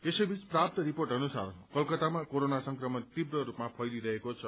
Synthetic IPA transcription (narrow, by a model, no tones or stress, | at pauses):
esʌjbʱit͡sprap̚t̪ʌɾiporʈɦʌnusa̰rkʌlkʌt̪amakoɾonasʌŋkrʌmʌnt̪ibrʌɾupmapʰʌjliɾʌɦekot͡sʰʌ